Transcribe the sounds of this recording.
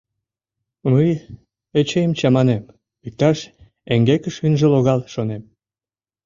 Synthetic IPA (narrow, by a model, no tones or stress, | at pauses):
məj | et͡ɕejəmt͡ɕɑmɑnem | ik̚t̪ɑʃ | eŋɡekəʃynʒĕloɣɑlʃonem